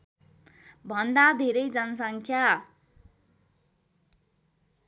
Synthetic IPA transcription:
bʱʌnd̪ad̪ʱeɾʌjd͡zʌnʌsʌŋkʰja

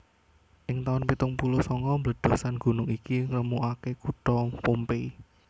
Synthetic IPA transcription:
ʔɪŋt̪aʊnpit̪ʊŋpulusɔŋɔmblə̤d̪̥ɔ̤sanɡ̥ṳnʊŋikiŋləmuʔakekuʈɔpompei

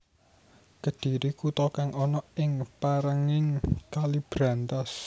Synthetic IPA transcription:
kəd̪̥i̤ɾikut̪ɔkaŋɔnɔɪŋpaɾəŋɪŋkalib̥ɾant̪as

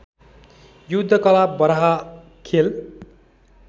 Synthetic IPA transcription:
jud̪ʱːʌkʌlabʌɾɦa | kʰel

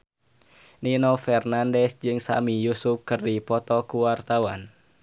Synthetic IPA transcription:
ninɔfɛrnandɛsd͡ʒɨŋsa̰mijusup̚kɨrdipɔt̪ɔkuwart̪awan

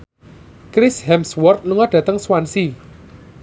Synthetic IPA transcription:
kɾɪshɛmswɔrt̪̚luŋaɖ̥ä̤t̪əŋswansi

